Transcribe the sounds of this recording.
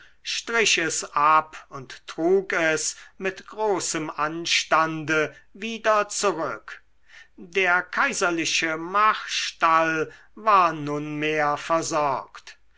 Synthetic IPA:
ʃtʁ̥ɪʃɛsʔapʊnttʁ̥uːkɛsmɪtɡ̥ʁoːsəmʔanʃtandəviːdɐt͡suʁʏk | deːɐkʰaɪzɐlɪʃəmaχʃtal | vaːɐnʊnmeːɐfɛɐzɔɐkt

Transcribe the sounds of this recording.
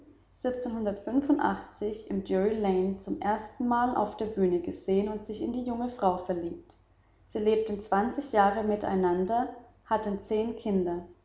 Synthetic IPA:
z̥ɪp̚t͡senhʊndɐtfʏnfʊntʔa̰χt͡sɪçɪmdʊilɛɪnt͡sʊmʔeːɐstn̩maːlʔa̰ʊfd̥eːɐbyːnəɡəz̥eːənʊntz̥ɪçɪ̰ndiːjʊŋəfʁ̥aʊfɛɐliːp̚t | z̥iːleːp̚tn̩t͡sv̥ant͡sɪçjaːʁəmɪta̰ɪnandɐ | hatənt͡seːnkʰɪndɐ

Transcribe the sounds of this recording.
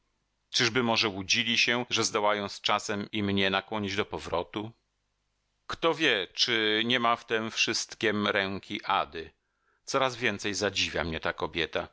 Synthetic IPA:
t͡ʂɘʐbɘmɔʐɛwud͡ʑilʲiɕɛʐɛzd̪ɔwajɔ̃w̃st͡ʂasɛmimɲɛnakwɔɲid͡ʑd̪ɔpɔvɾɔt̪u | kt̪ɔvʲjɛt͡ʂɘɲɛmaft̪ɛmfʂɘst̪kʲɛmɾɛŋkʲʰiʔa̰d̪ɘ | t̪sɔɾazvʲjɛnt̪sɛjzad͡ʑivʲja̰mɲɛt̪akɔbʲjɛt̪a

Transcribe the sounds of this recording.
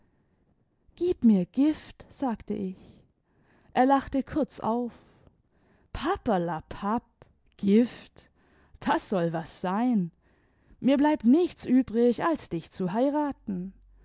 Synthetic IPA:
ɡ̥iːpmiːɐɡ̥ɪftz̥aːktə̰ʔɪç | ʔeːɐlaχtəkʰʊɐt͡sa̰ʊf | pʰapalapʰap̚ | ɡ̥ɪft | d̥asz̥ɔlvasz̥aɪn | miːɐblaɪp̚tnɪçt͡sʔyːbʁɪçalsd̥ɪçt͡suɦaɪʁaːtn̩

